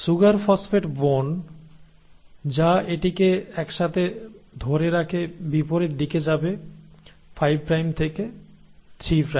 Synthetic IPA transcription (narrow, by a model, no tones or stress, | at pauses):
ʃuɡaɾfɔsfeʈbon | d͡ʑaeʈikeɛkʃat̪ʰed̪ʱoɾeɾakʰebipoɾeɾd̪iked͡ʑabe | fajb̚kɾajmt̪ʰeket̪ʰɾipɾa